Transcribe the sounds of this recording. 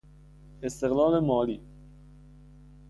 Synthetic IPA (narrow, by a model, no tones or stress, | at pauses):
ɪst̪ɪɣlɑːlemɑːliː